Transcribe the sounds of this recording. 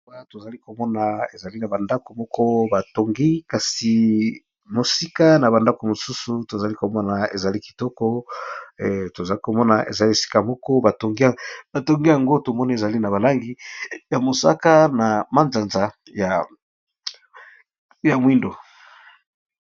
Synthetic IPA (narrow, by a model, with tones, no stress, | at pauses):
a˦to˨za˨li˦ko˨mɔ˦na˨e˨za˨li˦na˨ba˨nda˦ko˨mɔ˦kʰɔ˦ba˨to˨ŋɡi˦ka˨si˨ | mo˨si˦ka˦na˨ba˨nda˦ko˨mo˨su˦su˨to˨za˨li˦ko˨mɔ˦na˨e˨za˨li˦ki̥˨tɔ˦kɔ˦˨ | to˨za˨li˦ko˨mɔ˦na˨ʔḛ˨za˨li˦˨si̥˦ka˦˨mɔ˦kɔ˦ba˨to˨ŋɡi˦a˨ba˨to˨ŋɡi˦ja˨ŋɡo˦to˨mɔ˦ni˦e˨za˨li˦na˨βa˨la˦ŋɡi˦ja˨mo˨sa̰˦ka˦na˨ma˦nza˨nza˨ | ja˨ | ja˨mwi˦ndo˨